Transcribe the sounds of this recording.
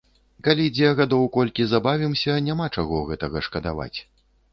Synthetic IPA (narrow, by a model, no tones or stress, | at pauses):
kalʲid͡zʲɛɣad̪ɔwkɔlʲkʲizabavʲimsʲɐnʲamat͡ʂaɣɔɣɛt̪ɐɣɐʂkɐd̪a̰va̰t͡sʲ